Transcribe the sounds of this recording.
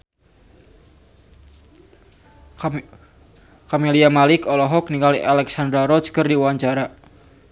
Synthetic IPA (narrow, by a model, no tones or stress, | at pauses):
kɔmeliamalɪkɔlɔɦɔk̚niŋɡaliʔalɛksand̪ɾaɾɔt͡ʃkərdiwaɲt͡ʃaɾa